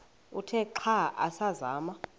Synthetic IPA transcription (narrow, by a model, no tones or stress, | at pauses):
utʰɛǃʰaʔa̰saza̰ːma